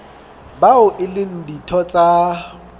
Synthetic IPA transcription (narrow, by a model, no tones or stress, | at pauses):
baʊʔɪlɪn̩ditʰɔt͡sʼa